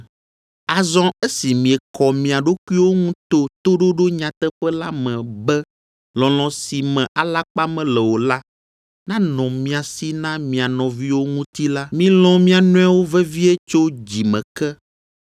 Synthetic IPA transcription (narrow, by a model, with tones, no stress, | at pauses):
a˨zɔ̃˦e˦si˨mĩ˨ɛ˨kɔ˨mĩ˨a˨ɖo˦ku˦i˦wo˦ŋũ˦t̪o˦t̪o˦ɖo˦ɖo˦ɲã˨t̪ɛ˦ɸɛ˦la˦mɛ̃˨bɛ˦ | lɔ̃˨l̃ɔ̃˨si˨mɛ̃˨ʔa˨la˦k͡pa˦mɛ̃˨lɛ˨wo˨la˦ | nã˦nɔ̃˨mĩ˨a˨si˦nã˦mĩ˨a˨nɔ̃˨vi˦wo˦ŋũ˦t̪i˦la˦mĩ˦lɔ̃˦mĩ˦a˨nũ˦ɛ˦wo˦vɛ˦vi˦ɛ˦t͡ʃo˦d͡ʑi˨mɛ̰̃˨kɛ˦